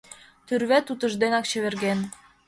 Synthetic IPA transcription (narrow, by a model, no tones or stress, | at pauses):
t̪yrβet̪ut̪ə̆ʒd̪enɑkt͡ɕə̆βerɣen